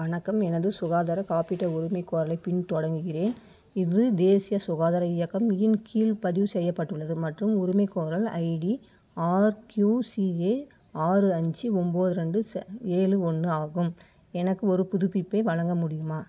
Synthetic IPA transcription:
ʋɐnɐkːɐmɛnɐðɯsʊɣaːðɐɾɐkaːpɪʈːɐʊɾɯmɐɪkːoːɾɐlɐɪpɪɳt̪ɔɽɐŋɡɯɣɪreːn | ɪðɯd̪eːsɪjɐsʊɣaːðɐɾɐɪjɐkːɐmjɪnkʰiːlpɐðɪʋɯsɛjːɐpːɐʈːɯɭːɐðɯmɐʈrɯmʊɾʊmɐɪkːoːɾɐlɐ̰ɪɽi | aːɾkjuːsieː | aːrɯɐɲd͡ʒɯɔmboːðɯɾɐɳɖɯseːlɯɔɳɖɯaːɣɯm | ɛnɐkːɯɔɾɯpʊðʊpːɪpːɐɪʋɐɻɐŋɡɐmʊɽɪjɯmaː

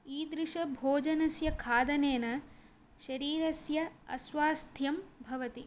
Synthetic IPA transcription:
iːd̪ɾiʂɐbʱoːd͡ʒɐnɐsjɐkʰaːd̪ɐneːnɐ | ʃɐɾiːɾɐsjɐɐsʋaːst̪ʰjɐmbʱɐʋɐt̪i

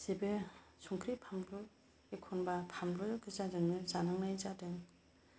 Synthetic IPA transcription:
z̥ebesʰuŋkʰɾipʰamdɾɔ | ekʰɔnbapʰamdɾɔkʰɯzadɯŋnɯzanɯŋnajzadɯŋ

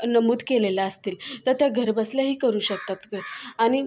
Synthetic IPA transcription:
nəmuːd̪kelelaəst̪iːlt̪əɾt̪jaɡʱəɾbəslaɦiːkəɾuːɕək̚t̪at̪kəaɽ̃i

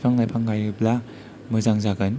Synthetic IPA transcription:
pʰaŋlajpʰaŋɡajɯpla | mɯzaŋzaɡɯn

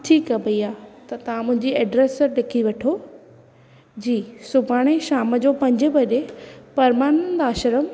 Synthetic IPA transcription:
ʈʰiːkɐbɐiaːt̪ɐt̪ɐʋ̤ãmʊ̃ɦɪ̃ɲd͡ʑiɛːɖɾeːsɗɪkʰiʋɐʈʰo | d͡ʑiːsʊbʱaːɽ̃eʃaːməd͡ʑoːpɐ̃ɲd͡ʑə̆bɐɗepɐɾmaːnənd̪aːʃəɾəm

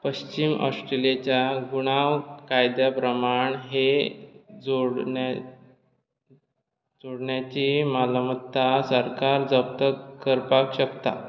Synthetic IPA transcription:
pəɕt͡ɕimɔ̰sʈɾelijet͡ɕjaɡuɽ̃aʋkajd̪japɾəmaɳɦe | d͡zoɽ | d͡zoɽɳjat͡ɕimalamət̪ːasəɾkaɾd͡zəp̚t̪əkəɾpakɕəkt̪a̰

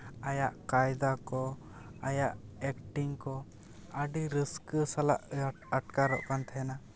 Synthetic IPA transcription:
ajaʔkajd̪akɔ | ajaʔɛkʈiŋkɔ | əɖiɾisksala̰ʔ | əʈkaɾɔ̰ʔkant̪ʰɛɛna

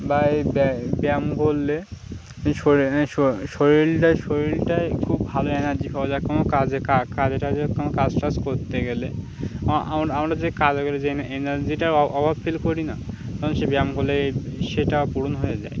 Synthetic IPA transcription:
bajbbɛmɡʱolːe | ʃoʃoʃoɾiɾʈaʃoɾiɾʈaekʰubːʱaloenaɾd͡ʑibʰʱabad͡ʑakonokad͡ʑekakad͡ʑeʈad͡ʑekonokad͡ʑʈaskoɾt̪eɡele | ʔa̰mɾamɾad͡ʑekad͡ʑɡoled͡ʑeenaɾd͡ʑiʈaɾɔbʱabfʰilkoɾina̰ | t̪ɔɾonʃebɛmɡʱolːeʃeʈapuɾonɦojed͡ʑa̰e

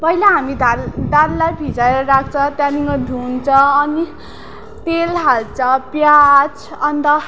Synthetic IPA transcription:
pʌɦilaɦamid̪ald̪alːajpid͡zaeɾʌɾakʰt͡sʰʌ̃t̪janiŋʌd̪ʱunt͡sʰʌ̃ːni | t̪elɦalt͡sʰʌpjat͡sʰʌnt̪ʌ

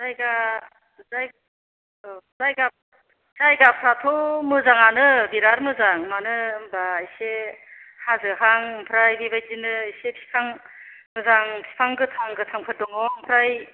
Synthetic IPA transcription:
zajɡa | zaj | zajɡa | z̥ajɡapʰɾatʰɔmɯzaŋanɯbiɾaɾmɯzaŋmanɯbaːjsehazɯɦaŋmpʰɾajbibajzinɯajsepʰi̥pʰaŋ | ɡɯzaŋpʰi̥pʰaŋɡɯtʰaŋɡɯtʰaŋpʰɯt̚dɔŋɔmpʰɾaj

